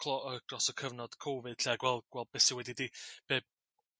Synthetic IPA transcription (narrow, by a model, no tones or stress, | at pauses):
kʰlˠɔəɡ̥rɔsɔkʰəvnɔd̥kʰowvɨd̥ɬeaɡwɛlˠɡ̥wɛl̚ˠb̥ɛsiwɛdidiːb̥eːb̥̚